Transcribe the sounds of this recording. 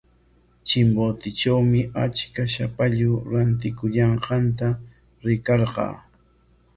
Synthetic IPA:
t͡ʃɪmbot̪ɪt͡ʃawmɪʔat͡ʃkaʃapaʎʊɾant̪̬ɪkʊʎɑɴqɑnt̪a | ɾɪkɑɾqɑ̰ː

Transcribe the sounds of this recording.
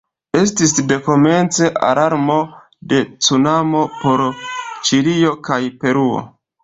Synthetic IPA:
e̞s̬tis̬de̞ko̞me̞nt͡se̞ʔa̰ɾaɾmo̞ | de̞t͡sunamo̞po̞ɾt͡ʃiɾio̞kajpe̞ɾuo̰

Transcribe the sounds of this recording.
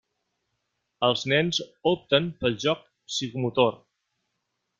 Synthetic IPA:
əlˠznɛnzop̚t̪əmpəlˠʒɔk̚ | sikumut̪or

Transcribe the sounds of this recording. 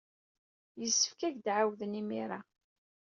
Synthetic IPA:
jəsːə̥fkæʝd̪ʕawðənimiɾa

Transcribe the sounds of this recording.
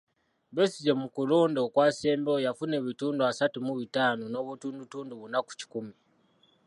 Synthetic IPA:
βesizemukuloːndokwaseːmbojafune̞βituːnduasatumuβitaːnono̞βutuːndutuːnduβunaku̥ci̥kumi

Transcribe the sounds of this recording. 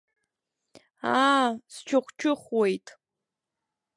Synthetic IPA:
ast͡ʃʰɨχʷt͡ʃʰʊχwejtʼ

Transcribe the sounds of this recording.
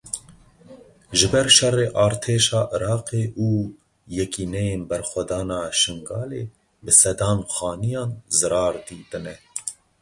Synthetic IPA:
ʒɨbɛɾʃɛreːʔɑːɾt̪ʰeːʃɑːʔɨɾɑːqeːʔuː | jɛkiːnɛjeːnbɛɾxʷɛd̪ɑːnɑːʃɨŋɡɑːleː | bɨsɛd̪ɑːnxɑːnijɑːnzɨɾɑːɾd̪iːt̪ɨnɛ

